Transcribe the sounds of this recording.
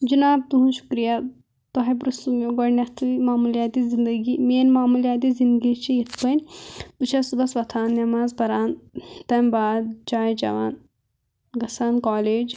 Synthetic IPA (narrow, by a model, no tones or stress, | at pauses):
d͡ʒinaːb̚t̪uɦũnʃu̥kɾija | t̪oɦɐjbɾusumoɡɐɽnʲɐt̪ʰimaːmuljaːt̪izind̪ɐɡimʲeːnmaːmulijaːt̪̬izind̪ɡit͡ʃʰijit̪ʰpɐnʲp̪ut͡ʃʰɐsubɐsʋɐt̪ʰaːnːɐmaːzbɐɾaːnt̪ɐmbaːd̪d͡ʒaːjd͡ʒɐ̰ʋaːn | ɡɐsaːnkaːleːd͡ʒ